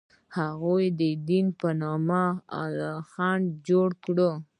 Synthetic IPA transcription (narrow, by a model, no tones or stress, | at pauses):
haɣojd̪əd̪inpənɑmaa̰lxɑnd͡ʒoɽkɽə